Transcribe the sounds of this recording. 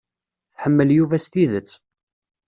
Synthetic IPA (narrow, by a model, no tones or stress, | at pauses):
θħəmːəljuvæst̪iðət͡sː